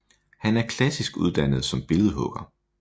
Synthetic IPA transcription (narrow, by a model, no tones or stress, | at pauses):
hænæɐkʰlæsisɡ̥uð̞ˠd̥ænəð̞̩ˠsɒ̽mb̥e̝lð̩ˠɦɔ̽ɡ̥ɐ